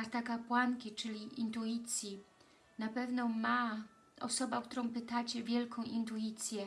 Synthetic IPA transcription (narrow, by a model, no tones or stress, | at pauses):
aɾt̪akapwaŋkʲit͡ʂɘlʲiʔint̪ujit̪sʲji | napɛvnɔma | ɔ̰sɔbakt̪uɾɔ̃w̃pɘt̪at͡ɕɛvʲjɛlkʰɔ̃w̃ʔint̪uit̪sʲjɛ